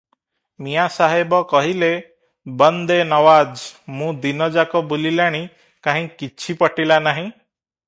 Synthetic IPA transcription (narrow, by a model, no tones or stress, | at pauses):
mijasaɦebɔkɔɦile | bɔnd̪enɔwad͡ʒmũd̪inɔd͡ʒakɔbulilaɽ̃i | kaɦĩkit͡ʃʰipɔʈilanaɦĩ